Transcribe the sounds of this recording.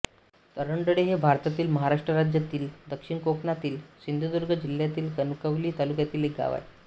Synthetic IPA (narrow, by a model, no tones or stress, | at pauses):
t̪əɾəɳɖəɽeɦebʱaɾt̪at̪iːlməɦaɾaʂʈɾəɾad͡ʑjat̪iːld̪əkʂiɳkokɳat̪iːlsind̪ʱud̪uɾɡʱəd͡ʑiljat̪iːlkənukəʋliːt̪alukjat̪iːlek̚ɡa̰ʋa̰j